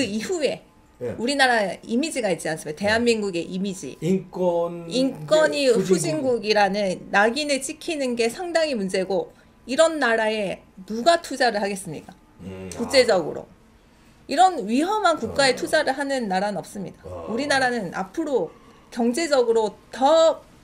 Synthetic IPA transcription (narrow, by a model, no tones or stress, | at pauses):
kɯiɸue̞ | uɾinaɾaimid͡ʑiɡait͡ɕ͈ians͈ɯmidate̞ɦanmiŋɡuɡe̞ʔimid͡ʑḭ | ink͈wʌɲiɸud͡ʑiŋɡuɡiɾanɯnːaɡinɯɭt͡ɕ͈ikʰinɯnɡe̞sʰaŋdaŋimund͡ʑe̞ɡo | iɾʌnːaɾae̞ | nuɡatʰud͡ʑaɾɯɭhaɡe̞s͈ɯmɲḭk͈a | kuk̚t͡ɕ͈e̞d͡ʑʌɡɯ̰ɾo̰ | iɾʌnɥiɦʌmɦankuk̚k͈ae̞tʰud͡ʑaɾɯɭɦanɯnːaɾanɯnʌp̚s͈ɯmɲḭdauɾinaɾanɯna̰pʰɯɾo | kjʌŋd͡ʑe̞d͡ʑʌɡɯɾotʌ